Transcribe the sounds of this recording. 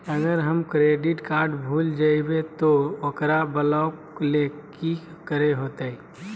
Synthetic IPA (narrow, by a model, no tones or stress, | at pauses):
əɡəɾɦəmkɾeːɖɪʈkaːɾɖbʱuːld͡ʒaibet̪ookɾabəlakleki | kəɾeɦot̪ei